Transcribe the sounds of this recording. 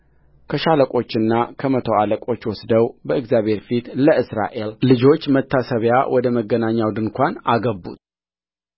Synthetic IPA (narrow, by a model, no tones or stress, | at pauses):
kʰəʃaləkʼo̞t͡ʃːɨnːakʰəmət̪ʰo̞aləkʼo̞t͡ʃːwɔsd̪əwbəɨɡzjaβhe̞ɾfit̪ləʔɨsɾa̰ʔe̞llɨd͡ʒo̞t͡ʃːmət̪ʰːasəβja̰wʔɔd̪əməɡːənaɲːawd̪ɨŋkʰʷanaɡəbːṵt̪